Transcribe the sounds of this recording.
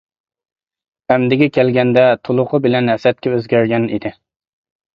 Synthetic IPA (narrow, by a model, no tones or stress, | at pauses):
æmd̪ɪɡʲɛkʲʰɛlɡʲɛnd̪ɛt̪ʰolˠʊqʰəbɪlɛnhɛsɛt̪̚kʲɛøzɡʲæɾɡʲɛnid̪ɪ